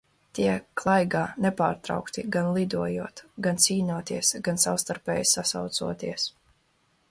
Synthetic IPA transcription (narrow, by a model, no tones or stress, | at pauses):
t̪iɛklˠajɡaːnɛpaːɾt̪ɾa̰wkt̪iɡanlˠid̪uɔjuɔt̪ɡant̪siːnuɔt̪iɛsɡansawst̪aɾpɛːjsasawt̪suɔt̪iɛs